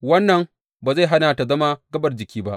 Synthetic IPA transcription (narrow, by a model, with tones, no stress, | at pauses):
wɐ˦nːɐ˨ŋ | baː˨za˦˨jɦa˦naː˨ta˨zɐ˦ma˦ɡɐ˦bɐ˨rd͡ʒɪ˨kʲiː˦ba˦ʔ